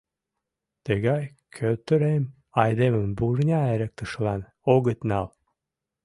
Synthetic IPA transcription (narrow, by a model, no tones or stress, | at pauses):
t̪əɣɑj | kʰøt̪əɾem | ɑjd̪eməmburnʲɑeɾə̆k̚t̪əʃlɑn | oɣət̪nɑl